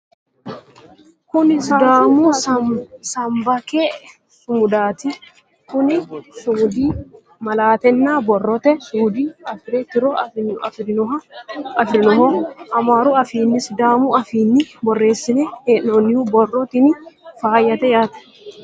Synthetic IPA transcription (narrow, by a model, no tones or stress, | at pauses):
kʊnɪsɐd̪aːmuː | sɐmbɐkeː | sʊmʊd̪aːt̪ɪ | kʊnɪsuːd̪iː | mɐlaːt̪ɛnːaːbɔrːɔt̪ɛsuːd̪iːɐfɪɾɛt̪ɪɾoɐɐɾnɔɐɐfɾɪnɔhoɐmaːɾuɐfiːnːɪsd̪aːmuɐfiːnːɪbɔrːe̞ːsːɪneheːnːoːnːɪhuːbɔrːɔt̪ɪnɪfaːjɐt̪ɛjaːt̪ɐ̥